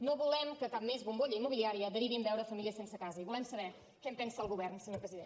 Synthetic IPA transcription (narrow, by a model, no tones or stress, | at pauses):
noβulɛmkəkap̚mezβumboʎəimuβiliaɾiəðəɾiβimdɛwɾəfəmiliəsensəkazəiβulɛmsəβɛ | kɛmpɛnsəːlˠɣuβɛrnsəɲoɾpɾəziðen